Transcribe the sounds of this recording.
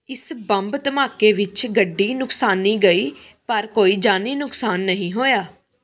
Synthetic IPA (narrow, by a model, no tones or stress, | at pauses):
ɪsbəmbt̪əmaːkeːʋɪt͡ʃɡəɖːiːnʊksaːnːĩːɡəiː | pəɾkoːiːd͡ʒaːniːnʊksaːnːəɦĩːɦoːjaː